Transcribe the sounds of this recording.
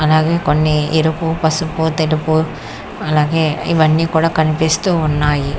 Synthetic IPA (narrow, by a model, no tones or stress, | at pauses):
ɐlaːɡe̞ːkonːiiɾupupɐsuput̪elupu | ɐlaːɡe̞ːiʋɐnːiːkuːɽaːkɐnipeːst̪uːnːaːji